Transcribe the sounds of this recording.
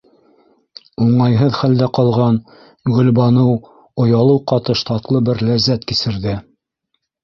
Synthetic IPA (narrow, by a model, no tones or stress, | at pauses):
uɴɑjɦɤðχæld̪æqɑlˠʁɑn | ɡɵ̆lbɑnɤw | ŏjɑlˠɤwqɑt̪ɤʃt̪ɑt̪lˠɤbɘɾlæzːæt̪kisɘ̆ɾðɘ